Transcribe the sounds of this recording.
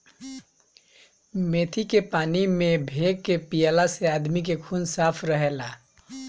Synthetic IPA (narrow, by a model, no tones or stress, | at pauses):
meːt̪ʰikepaːnimẽbʱeɡkːepijalaseaːd̪mik̬ekʰuːnsaːpʰɾəɦelaː